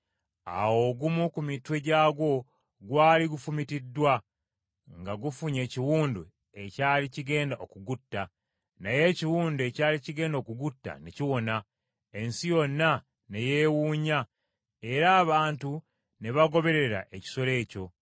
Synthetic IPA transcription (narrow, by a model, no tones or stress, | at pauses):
a̰wo̞ɡumukumitwe̞ɟaːɡwo̞ | ɡwaːliɡufumitidːwa | ŋɡaɡufuɲe̞ːciwuːndu | ecaːliciɡe̞ːndaʔokuɡutːa | naje̞ciwuːndue̞caːliciɡe̞ːndokuɡutːa̰neciwo̞na | e̞nsijo̞nːa | ne̞je̞ːwuːɲa | e̞ɾaːβaːntu | ne̞βaɡo̞βe̞ɾe̞ɾa̰ʔe̞ci̥so̞le̞ːco̞